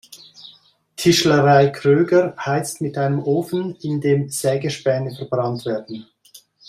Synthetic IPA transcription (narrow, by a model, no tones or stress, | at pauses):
tʰɪʃləʁaɪkʰʁøːɡəɾʰaɪt͡stmɪtaɪnəmʔoːfn̩ɪndeːmsɛːɡəʃpɛːnəfɛɐbʁɑntv̥ɛːɐdn̩